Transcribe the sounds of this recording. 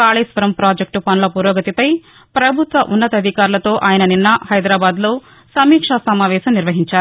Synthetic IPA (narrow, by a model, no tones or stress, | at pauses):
kaːɭeːsʋɐɾɐmpɾaːd͡ʒek̚ʈupɐnɐlɐpuːɾoːɡɐt̪ipɐj | pɾɐbʱut̪ʋɐʔunːɐt̪ɐd̪ʱikaːɾulɐt̪o̞ːʔaːjɐnɐninːɐhɐjd̪ɾaːbaːd̪loː | sɐmiːkʂasɐmaːʋɛːʃɐmniɾʋɐɦiɲt͡ʃaːɾu